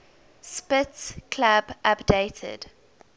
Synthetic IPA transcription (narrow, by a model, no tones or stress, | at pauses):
spɪtskʰlabʔapdeɪtʰə̰d̥